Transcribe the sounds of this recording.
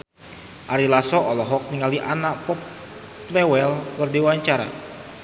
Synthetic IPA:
ʔaɾilasɔɔlɔɦɔk̚niŋaliʔanaʔpɔp | lɛwɛlkərdiwaɲt͡ʃaɾa̰

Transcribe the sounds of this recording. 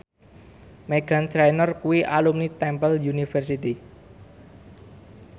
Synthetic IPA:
meɡ̥a̤ntɾajnərkuwiʔalumnit̪ɛmpəljunifərsit̪i

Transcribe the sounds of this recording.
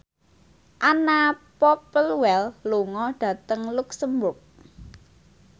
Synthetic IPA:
ʔanapɔpəlwɛlluŋɔɖ̥ä̤t̪əŋluksəmbʊrk̚

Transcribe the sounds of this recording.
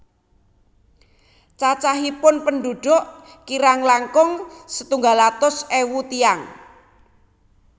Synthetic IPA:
t͡ʃat͡ʃaɦipʊnpənɖuɖ̥ʊʔ | kiɾaŋlaŋkʊŋsə̥t̪uŋɡalat̪ʊsewut̪iaŋ

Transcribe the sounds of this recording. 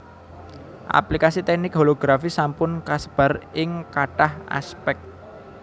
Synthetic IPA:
ʔa̰plikasit̪ɛk̚nɪk̚ɦoloɡ̥ɾafisampʊnkasəb̥a̤rɪŋkaʈaha̰spɛk̚t̪̚

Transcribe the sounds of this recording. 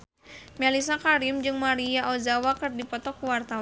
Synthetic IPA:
mɛlis̬akaɾimd͡ʒɨŋmaɾijaʔozawakɨrdipɔt̪ɔkuwart̪aw

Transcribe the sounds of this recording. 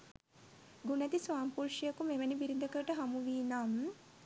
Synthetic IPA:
ɡunæt̪isʋaːmpuɾʃijəkumeʋənibiɾid̪əkəɾəʈəɦamuʋiːnam

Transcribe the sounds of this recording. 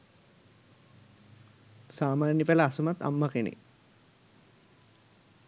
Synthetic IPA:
saːmaːnjəpɛlaːsumat̪a̰mːɐkenḭ

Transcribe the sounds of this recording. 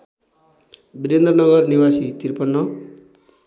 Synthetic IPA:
biɾend̪rʌnʌɡʌɾniwasit̪iɾpʌnːʌ

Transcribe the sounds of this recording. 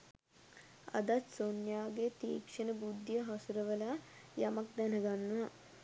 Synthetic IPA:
a̰d̪at̪sonjaːɡet̪ḭːkʂənəbud̪ːjəɦɔsuɾəʋəlajamak̚d̪ɛnəɡanːəʋa

